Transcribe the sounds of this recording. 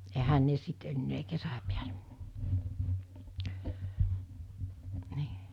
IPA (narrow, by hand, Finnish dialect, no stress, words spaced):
ehæn ne sit enːeː kesæ piæle̥ ni̥ː